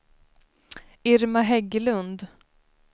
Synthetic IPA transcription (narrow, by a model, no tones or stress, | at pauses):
ɪɾmaɦɛɡəlɵnd̪